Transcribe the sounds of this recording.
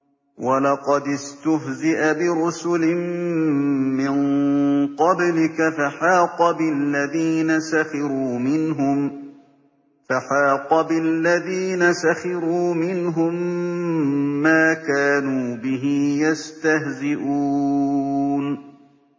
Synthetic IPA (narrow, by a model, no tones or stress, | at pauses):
walɑqɑd̪ɪst̪ʊɦzɪʔabɪɾʊsʊlɪmː | ɪnqɑblɪkafaħɑːqɑbɪlːaðiːnasaxɪɾuːmɪnɦʊm | faħɑːqɑbɪlːaðiːnasaxɪɾuːmɪnɦʊm | aːkaːnuːbɪɦɪjast̪ahzɪʔuː | n